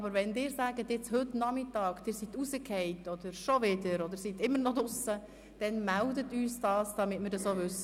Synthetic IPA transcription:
ɑbəɾʋɛndɪːɾsæːɡətjɪt͡shʏtnɑmɪtɑːkd̥ɪːɾsitusəkʰɛɪtɔd̥̪əɾʃɔʋɪdəɾɔd̥əɾsitɪmːəɾnɔdʊsə | d̥ɛnmældətyːsd̥ɑːsd̥ɑmɪtmɪːɾdɑsoʋʏsə

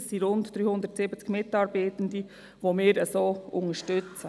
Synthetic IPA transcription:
ssiɾʊndd̪̥ɾyːhʊnd̪əɾtsɪbət͡skmɪtɑɾbaɪtən̩di | ʋomɪːɾəsoːʔʊŋəʃtʏt͡sə

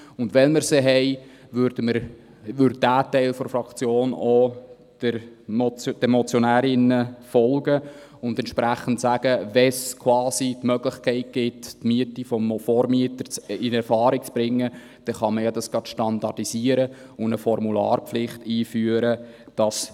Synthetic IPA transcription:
ʊndʋɛnməɾseɦɛɪ | ʋʏɾd̥əməɾ | ʋʏɾd̚dæːtɛɪlfɔɾfɾɑkt͡sjoːnɔ | d̥əɾ | d̥ɛmɔt͡sjɔnæːɾɪnəfɔlɡə | ʊndɛnt͡ʃʃpɾæχːən̩tsæɡ̥əʋɛskʰwɑːsitmœɡlɪχkʰɛɪt̚ɡ̥ɪttmiətifɔmfɔɾmiətəɾt͡sɪnɛɾfɑːɾik̚t͡sb̥ɾɪŋːə | d̥ɛχɑməjɑdɑsɡ̥ɑtʃtɑndɑdisiəɾə | ʊndəfɔɾmulɑ̰ːɾpflɪχtiːfyəɾə | d̥ɑs

